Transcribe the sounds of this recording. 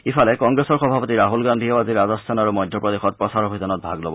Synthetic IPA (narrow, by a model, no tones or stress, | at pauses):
ifʰalɛkɔŋɡɹesɔɹxɔbʱapot̪iɹaɦulɡandʱioaziɹazɔst̪ʰanaɹumɔjd̪ʱːɔpɹɔd̪exɔt̚pɹɔsaɹɔbʱizanɔt̚bʱaɡlobɔ